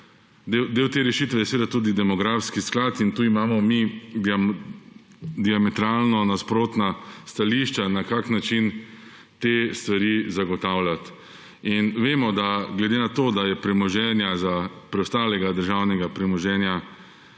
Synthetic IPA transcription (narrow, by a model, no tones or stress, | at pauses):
d̪ewd̪eːwt̪eːɾɛʃit̪ʋɛjɛsʋeːd̪at̪uːd̪id̪ɛmɔɡɾaːfskisklat̪int̪uːimaːmɔmi | d̪iamɛt̪ɾaːlnɔnaspɾoːt̪nast̪aliʃt͡ʃanakaknat͡ʃin | t̪est̪ʋaɾizaɡɔt̪aːwlat̪ | inʋeːmɔd̪aɡlɛd̪enat̪oːd̪ajɛpɾɛmɔʒɛːnjazapɾɛwst̪aːlɛɡad̪əɾʒawnɛɡapɾɛmɔʒɛːnja